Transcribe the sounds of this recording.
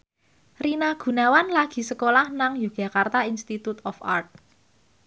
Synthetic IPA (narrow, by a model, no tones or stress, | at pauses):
rinaɡ̥ṳnawanlaɡ̥i̤səkolahnaŋju̥ʒ̥ä̤kart̪ainst̪it̪ut̪ɔfa̰rt̪̚